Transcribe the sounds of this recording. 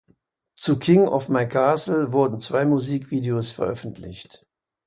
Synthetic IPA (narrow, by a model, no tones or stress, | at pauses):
t͡sukʰɪŋɔ̰fmaɪkʰaɐsl̩vʊɐdn̩t͡sv̥aɪmuziːkv̥iːdeoːsfɛɐʔœfn̩tʰlɪ̰çt